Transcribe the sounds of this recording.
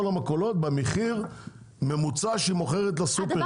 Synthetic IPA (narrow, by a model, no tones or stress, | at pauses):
olamako̞lo̞t̪̚bameχiʁ | me̞mut͡saʃimo̞χeʁet̪lasupe